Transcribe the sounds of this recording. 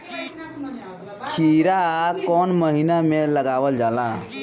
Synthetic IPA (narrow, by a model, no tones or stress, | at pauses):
kʰiɾakɔnməɦinameləɡabəld͡ʒala